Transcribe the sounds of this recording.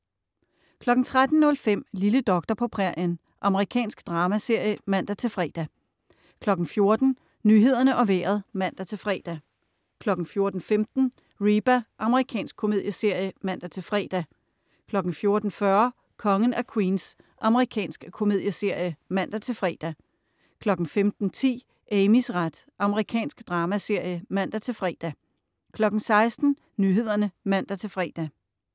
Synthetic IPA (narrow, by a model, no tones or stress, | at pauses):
kʰlɒ̽ɡ̥n̩t͡sʰʁad̥n̩nɔ̽lfem̰liləd̥ɒ̽ɡ̥d̥ɐpʰɒ̽pʰʁɛɐ̰jən | ʔɑ̈məʁikʰɛ̰ːnsɡ̥d̥ʁɑ̈ːmæse̝ɐ̰jəmæn̰d̥æt͡sʰe̝lfʁɛ̰ːd̥æ | kʰlɒ̽ɡ̥n̩fjo̝ɐd̥n̩ | nyɦe̝ð̞̰ˠɐnəʔɒ̽ʋḛːɐð̞̩ˠmæn̰d̥æt͡sʰe̝lfʁɛ̰ːd̥æ | kʰlɒ̽ɡ̥n̩fjo̝ɐd̥n̩femd̥n̩ | ʁib̥æʔɑ̈məʁikʰɛ̰ːnsɡ̥̚kʰo̝me̝ð̞̰ˠjəse̝ɐ̰jəmæn̰d̥æt͡sʰe̝lfʁɛ̰ːd̥æ | kʰlɒ̽ɡ̥ŋ̩fjo̝ɐd̥n̩fɶɐ | kʰɒ̽ŋən̩ækʰwiːns | ʔɑ̈məʁikʰɛ̰ːnsɡ̥əkʰo̝me̝ðˠjəse̝ɐ̰jəmæn̰d̥æt͡sʰe̝lfʁɛ̰ːd̥æ | kʰlɒ̽ɡ̥n̩femd̥n̩t͡sʰḭː | ʔemisʁad̥ʔɑ̈məʁikʰɛ̰ːnsɡ̥d̥ʁɑ̈ːmæse̝ɐ̰jəmæn̰d̥æt͡sʰe̝lfʁɛ̰ːd̥æ | kʰlɒ̽ɡ̥̩sɑ̈ɪsd̥n̩ | nyɦe̝ð̞̰ˠɐnəmæn̰d̥æt͡sʰe̝lfʁɛ̰ːd̥æ